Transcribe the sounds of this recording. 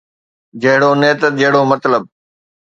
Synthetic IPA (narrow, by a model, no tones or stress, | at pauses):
d͡ʑɐɦɪɽoneːt̪əd͡ʑɐɦɪɽomɐt̪ləb̚